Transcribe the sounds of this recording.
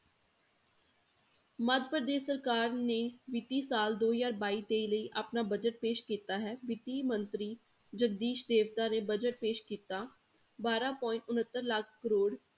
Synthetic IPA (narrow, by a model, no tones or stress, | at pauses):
məd̪pɾəd̪eːʃsəɾkaːɾneːʋɪt̪iːsaːld̪oːzaːɾbaːiːt̪eːiləiːʔapnaːbəd͡ʒəʈ̚peːʃkiːt̪aːɦɛːʋɪt̪iːmənt̪ɾiː | d͡ʒəɡ̚d̪iːʃd̪eːʋt̪aːnẽːbəd͡ʒəʈ̚peːʃkiːt̪aː | baːɾaːpɔːɪ̃ɳʈʊnət̪ːəɾlakʰkəɾoːɽ